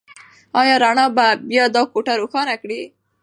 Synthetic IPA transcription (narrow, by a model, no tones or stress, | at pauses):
ɑjɑɾaɳɑbabjɑd̪ɑkuʈaɾuxɑnakɽi